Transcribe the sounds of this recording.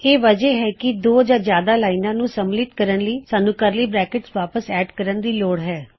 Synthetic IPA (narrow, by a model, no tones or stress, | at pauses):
eːʋəd͡ʒeːɦɛːkɪd̪oːd͡ʒaːzjaːd̪aːlaːinãːnũːsəmlɪt̪kəɾənləiːsaːnũːkəɾliːbɾɛːkɪʈsʋaːpəsɛːɖkəɾənd̪iːloːɽɦɛː